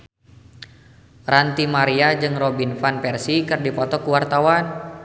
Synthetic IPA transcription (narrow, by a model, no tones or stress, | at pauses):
rant̪imaɾiad͡ʒɨŋrobinfanpɛrsikɨrdipɔt̪ɔkuwart̪awan